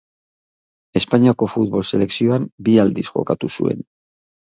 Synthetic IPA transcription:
e̞spaɲiako̞fut̪̚βo̞lse̞le̞ksio̞ambiald̪isʝo̞̰kat̪usṵe̞̰n

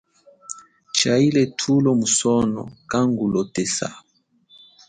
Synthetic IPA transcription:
t͡ʃailɛtʰulɔmusɔnɔ̰kaŋɡulɔtɛsa̰

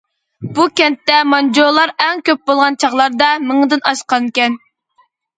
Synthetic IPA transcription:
b̥ukʲɛnt̪ːɛmɑnd͡ʒolˠɑɾɛŋkʲøp̚bolˠʁɑnt͡ʃʰɑʁlˠɑɾd̪ɑmɨŋɨd̪ɪnɑʃqɑnkʲɛn

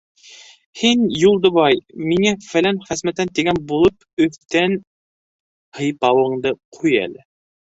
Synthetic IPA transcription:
hinjulˠd̪ŏβɑjmiŋæfælænχæsmæt̪ænt̪iɡænbulˠɤp | ɵ̆θt̪æn | hɤ̆jpɑwɤ̆ɴd̪ɤqʰujæ̰lɘ

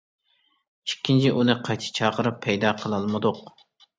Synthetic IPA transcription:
t͡ʃʰi̥kʲʰːint͡ʃʰiʔunɨqʰɑjt̪ʰɨ̥t͡ʃʰɑːqəɾɨpʰːɛjd̪ɑːqʰəlˠɑlˠmɨd̪ʊq

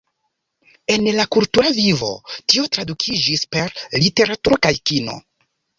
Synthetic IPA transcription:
e̞nlakultuɾavivo̞̰tio̞tɾadukʰid͡ʒispe̞ɾlite̞ɾatuɾokajkino̞̰

